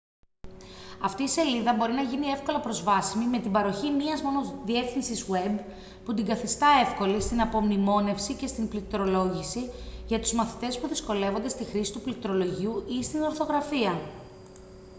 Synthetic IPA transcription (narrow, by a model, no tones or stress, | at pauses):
ɐft̪iːse̞liðɐbo̞ɾinɐʝinie̞fko̞lɐpɾo̞zvɐsimimet̪ibɐɾo̞çimiɐzmo̞no̞ðie̞fθinsizue̞b | put̪iŋɡɐθist̪ɐe̞fko̞list̪inɐpo̞mnimo̞ne̞fsice̞st̪implit̪ɾo̞lo̞ʝisiʝɐt̪uzmɐθi̥t̪e̞spuðisko̞le̞vo̞nd̪e̞st̪ixɾisi̥t̪uplit̪ɾo̞lo̞ʝiuʔist̪ino̞ɾθo̞ɣɾɐfiɐ